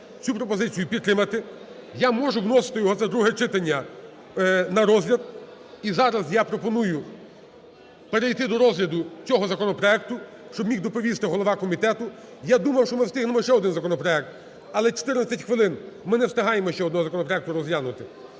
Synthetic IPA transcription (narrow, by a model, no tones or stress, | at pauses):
t͡sʲupɾɔpɔzɪt͡sʲijʊpʲid̪t̪ːɾɪmɐt̪ɪjamɔʒʊɦnɔsɪ̥t̪ɪjɔɦɔt̪ɛd̪ɾuɦɛt͡ʃɪt̪ɐnʲːɐ | nɐɾɔzʲlʲɐd̪̚izɑɾɐzjapɾɔpɔnujʊ | peɾejt̪ɪd̪ɔɾɔzɦlʲɐd̪ʊt͡sʲɔɦɔzɐkɔnɔpɾɔɛk̚t̪ʊ | ʃt͡ʃɔbmʲixd̪ɔpɔʋʲist̪ɪɦɔlˠɔʋɑkɔmʲit̪ɛt̪ʊ | jad̪umɐwʃt͡ʃɔmɪst̪ɪɦnemɔʃt͡ʃɛɔd̪ɪnzɐkɔnɔpɾɔɛk̚t̪ | ɐlˠɛt͡ʃe̥t̪ɪrnɐt͡sʲɐtʲxʋɪlˠɪnmɪnɛwst̪ɪɦɑjemɔʃt͡ʃɛɔd̪nɔɦɔzɐkɔnɔpɾɔɛk̚t̪ʊɾɔzlʲanʊt̪ɪ